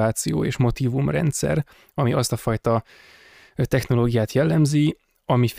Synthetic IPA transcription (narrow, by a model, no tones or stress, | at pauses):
aːt̪sijo̰ːḛːʃmo̞t̪iːvumrɛ̰nt̪sɛ̰r | ɒmiʔɒst̪ɒfɒjt̪ɒ | t̪ɛxno̞loːɡijaːt̪jɛlːɛmzi | ɒmif